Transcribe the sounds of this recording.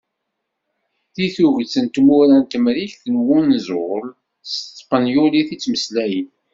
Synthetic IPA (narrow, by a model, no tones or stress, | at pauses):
θiθuʝt͡sːənt̪mʊɾænt̪əmɾiçθənwunzʊl | st̪ːˤpɑnjuliθit͡sːməslæjən